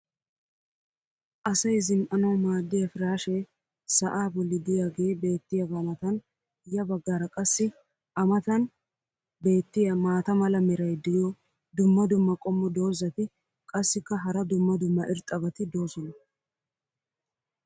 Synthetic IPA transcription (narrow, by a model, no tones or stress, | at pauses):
ʔɐsɐjzɪmʔɐnɐwmaːd̪ːɪjɐfɪɾaːʃe | sɐʔaːbʊlːɪd̪ɪjaɡeːbe̞ːt̪ːɪjɐbɐmɐt̪ɐn | ɪjɐbɐɡːaɾɐkʼɐsːɪ | ʔɐmɐt̪ɐn | be̞ːt̪ːɪjɐmaːt̪ɐmɐlɐmɛɾɐjd̪ɪjɔ | d̪ʊmːɐd̪ʊmːɐkʼɔmːɔd̪o̞ːzɐt̪ɪ | kʼɐsːɪkːɐɦɐɾɐd̪ʊmːɐd̪ʊmːɐʔɪɾt̪ʼːɐbɐt̪ɪd̪o̞ːzɔnɐ